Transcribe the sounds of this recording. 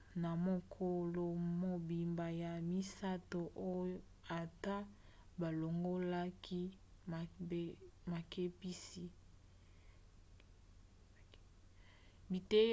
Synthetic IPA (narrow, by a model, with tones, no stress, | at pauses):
na˨mo˦kʰo˦lo˨mo˨bi˨mba˨ja˨mi˦sa˦to˨ʔo˦jo˦ | a˨ta˦ | ba˨lo˨ŋɡo˦la˦kʰi˦˨˦ | ma˨ke˦pi˦si˨ | bi˨te˦